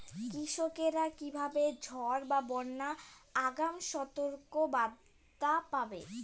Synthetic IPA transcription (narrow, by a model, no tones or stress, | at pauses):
kɾiʃokeɾakibʱabed͡ʑʱɔɾbabɔɾnaaɡamʃɔt̪oɾkobad̪ | apabe